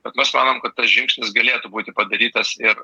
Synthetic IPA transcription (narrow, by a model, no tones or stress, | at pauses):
bʲɛt̪mʲɛsmɑːnoːmkɐt̪t̪ːɐsʒʲɪŋksʲnʲɪsɡɐlʲeːt̪ʊbuːt̪ʲɪpɐd̪ɐɾʲiːt̪ɐsɪr